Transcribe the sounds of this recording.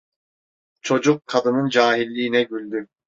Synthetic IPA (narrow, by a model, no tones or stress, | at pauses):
t͡ʃʰo̞d͡ʒukʰːad̪ɯnɯnd͡ʒaːɦilʲːiːnɛɟylʲd̪y